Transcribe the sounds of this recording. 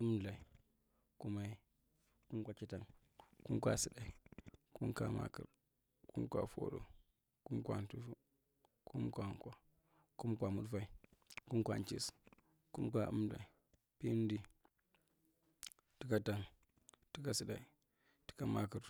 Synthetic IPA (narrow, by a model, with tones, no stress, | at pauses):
ɨ˦mɮa˨i˨ | ku˦ma˨˦i˦ | ku˦mkʷa˨ki˦ta˨n | ku˦kʷa̰˨si˨da˨i˨ku˦nka˨ma̰˦kə̰˨ɾ | ku˦mkʷa̰˨fo̰˦ɗo̰˨ | ku˦mkʷa˨ntu˦fu˦ | ku˦mkʷa˨ŋkwa˨ | ku˦mkʷa˨mu˦fa˦i˦˨ku˦mkʷa̰˨nt͡ʃi˦s | ku˦mkʷa˨ṵ˦mla̰˨i˨ | pi˦n˦di˦ | ti˦ka˨ta˨n | ti˦ka˨si˨ɗa˨i˨ | ti̥˦ka˨ma˦kə˨ɾ